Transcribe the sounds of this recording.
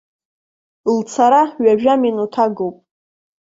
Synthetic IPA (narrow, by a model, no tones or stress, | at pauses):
lt͡sʰaɾaɥaʒᶣaminutʰaɡowpʼ